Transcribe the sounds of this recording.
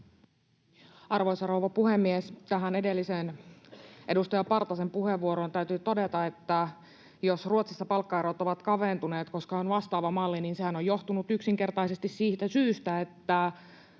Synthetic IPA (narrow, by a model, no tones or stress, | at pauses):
ɑrʋojsɑrowʋɑpuhemːiest̪æɦæne̞de̞lːisen | ʔe̞dust̪ɑjɑpɑrt̪ɑsempuhe̞ʋːuoɾont̪æyt̪yt̪o̞de̞t̪ɑe̞t̪ːæ | josruot̪sisːɑpɑlkːɑeɾot̪o̞ʋɑt̪kɑʋent̪une̞ːt̪ko̞skɑonʋɑst̪ɑːʋɑmɑlːiniːnse̞hænojo̞ht̪unut̪yksiŋke̞rt̪ɑjse̞st̪issiːt̪æsyːst̪æe̞t̪ːæ